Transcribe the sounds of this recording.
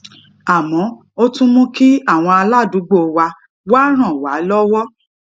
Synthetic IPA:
a˨mɔ̃˨˦ | o˦tũ˦mũ˦ki˦a˦˨w̃ɔ̃˧a˧la˦˨du˨˦ɡ͡bo˦˨˦wa˧ | wa˦ɾ̃ã˨wa˨˦lɔ˦wɔ˦

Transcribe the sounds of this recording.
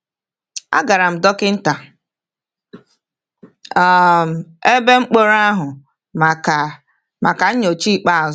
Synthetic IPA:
a̰˦ɡa˨ɾa˨m̩˨dɔ˦kɪ˦n̩˦ta˨ | ɔ˦˨m̩˨e˦be˦ŋ͡m̩˦k͡po˦ɾa˦ɦʊ˨ | ma˨ka˨ɲ̩˦ɲo˨t͡ʃi˦˨k͡pa˦a˨z

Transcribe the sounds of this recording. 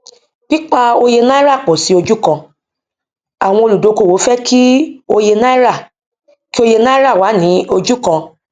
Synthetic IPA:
ki˦k͡pa˦o˧je˧na˦i˦ɾa˦˨k͡pɔ˨si˨˦o˧d͡ʒu˦kã˧ | a˨w̃ɔ̃˧o˧lu˨do˨˧˨ko˨wo˨˦fɛ˦kʰi˦o˧je˧na˦i˦ɾa˦˨ | ki˦o˧je˧na˦i˦ɾa˦˨wa˨˦nĩ˨˦o˧d͡ʒu˦kã˧

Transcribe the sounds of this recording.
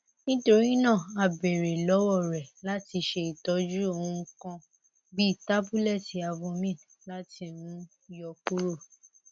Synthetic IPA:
nĩ˦to˧ɾi˦nã˦˨a˨be˨ɾe˨lɔ˨˦wɔ˦˨ɾɛ˨la˦ti˧ʃe˧i˨tɔ˨˦d͡ʒu˦o˧˨ũ˧kã˧ | bi˦˨ta˦bu˦lɛ˦˨ti˨a˨˧vo˧mĩ˦˨ | la˦ti˧nũ˨˦ | jɔ˧k͡pu˦ɾo˦˨

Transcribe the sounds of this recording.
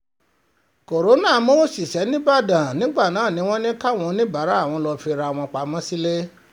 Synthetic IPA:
ko˨ɾo˨˦nã˦˨˦mo˦˨si˨ʃɛ˨˦nĩ˦ba˦˨dã˨nĩ˨˦ɡ͡ba˦˨nãː˨˦˨nĩ˨˦w̃ɔ̃˦nĩ˦ka˦˨w̃ɔ̃˧˦nĩ˦ba˨˦ɾa˦˨w̃ɔ̃˧lɔ˧fi˧ɾa˧˨w̃ɔ̃˧k͡pa˨˧mɔ̃˦si˦le˦

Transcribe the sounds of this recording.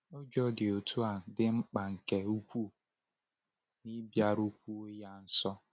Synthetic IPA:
o˦d͡ʒɔ˦dɪ˨o˨tʰu˦a˨dɪ˦ŋ͡m̩˦k͡pa˨ŋ̩˨ke˨u˦kʷu˦˨ | ni˦bja˦ɾu˦kʷu˦o˦ja˦n̩˦sɔ˦

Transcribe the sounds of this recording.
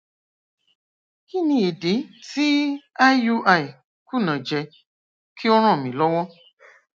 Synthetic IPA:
i˦nĩ˧e˨de˨˦ti˦a˦ju˦ʔa˦˨i˨ | ku˦˨nã˨d͡ʒɛ˧ | kʰi˦o˦ɾ̃ɔ̃˦˨mĩ˨lɔ˦wɔ˦

